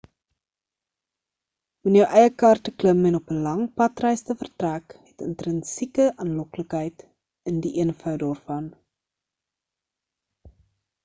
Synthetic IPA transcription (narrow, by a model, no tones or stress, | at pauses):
unjəwʔɛjəkɐrtəkləmɛnɔpəlɐŋpɐtrɛjstəfərtrækɦɛtə̰ntrənsikəʔɐnlɔkləkɦəjt | əndiʔiənfœwdɑːrfɐn